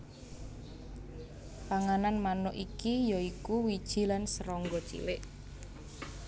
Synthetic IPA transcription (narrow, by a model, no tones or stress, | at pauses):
paŋananmanʊʔikijɔikuwid̥ʒ̥i̤lansəɾɔŋɡɔt͡ʃḭwɪʔ